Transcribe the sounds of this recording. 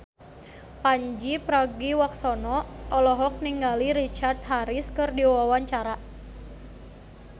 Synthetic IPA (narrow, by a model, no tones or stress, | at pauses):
paɲd͡ʒipɾaɡiwaksɔnɔɔlɔɦɔk̚niŋɡaliɾit͡ʃart̪̚ɦaɾiskɨrdiwawaɲt͡ʃaɾa